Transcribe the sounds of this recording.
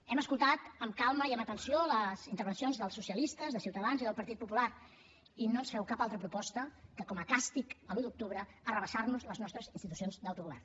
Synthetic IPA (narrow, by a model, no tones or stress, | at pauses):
ɛməskulˠt̪at̪əmkalˠməiəmət̪ənsioləzint̪əɾβənsionzðəlˠsːusiəlist̪əzðəsiwt̪əðanziðəlˠpəɾt̪it̪̚pupular | inoənsfɛwkapalˠt̪ɾəpɾupɔst̪əkəkɔməkast̪ikəluðuk̚t̪uβɾə | ərəβəsarnuzləznɔst̪ɾəzinst̪it̪u̥sionzd̪əwt̪uɣuβɛ̰rn